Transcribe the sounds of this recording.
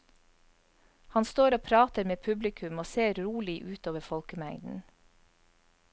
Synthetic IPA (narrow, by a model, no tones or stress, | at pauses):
hɑnst̪oːɾoːpʰɾɑːt̪əɾmeːpʰʉblɪkʰʉmoːseːɾɾuːlɪʔʉːt̪oːʋəfɔlkəmæŋd̪n̩